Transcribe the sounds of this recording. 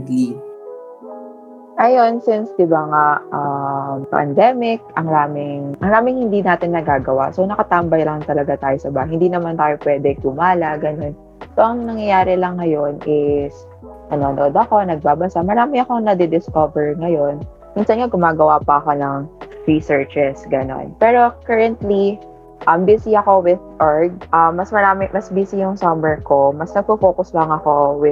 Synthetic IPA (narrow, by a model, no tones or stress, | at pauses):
i | ʔɐjo̞nsɪnsd̪ɪbaŋaʔɐmpɐ̰nd̪ɛmɪk̚ʔɐŋɾaːmɪŋʔɐŋɾaːmɪŋhɪnd̪inaːt̪ɪnːɐɡaːɡɐwa̰sonɐkɐt̪ambɐjlɐŋt̪ɐlɐɡat̪aːjosɐbaːhɐhɪnd̪iːnɐmant̪aːjopwɛːd̪ɛɡʊmaːlɐʔɡɐno̞n | soʔɐŋnɐŋjɐjaːɾɛlɐŋːɐjo̞nɪs | ʔɐno̞nɐʔod̪ɐko̞nɐɡ̚baːbɐsamɐɾaːmɪɐko̞ŋnɐd̪ɛd̪ɪskovɛɹŋɐjo̞n | miːnsɐnŋaɡʊmaːɡɐwaːpɐɐko̞nɐŋɹisɛɹt͡ʃɛsɡɐno̞̰npɛːɾo̞kɛɹɐnt̪li | ʔɐmbiːsiɐko̞wɪðʔoɹɡ̚ʔɐmːɐsmɐɾaːmɪmɐsbiːsijʊŋsɐmɛɹko̞mɐsnɐɡ̚pofoːkʊslɐŋɐko̞wɪ